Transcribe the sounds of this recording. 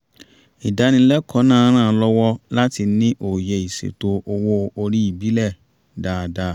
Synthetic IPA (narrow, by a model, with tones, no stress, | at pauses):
i˨da˨˦nĩ˧lɛ˦kʰɔ˨˦nãː˦˨˦ɾ̃ãː˦˨˦lɔ˧wɔ˧la˦ti˧nĩ˦ʔo˨je˨i˨sḛ˨to˧o˧wo˧o˧ɾi˦i˦˨bi˨˦lɛ˦˨ | daː˨da˧˦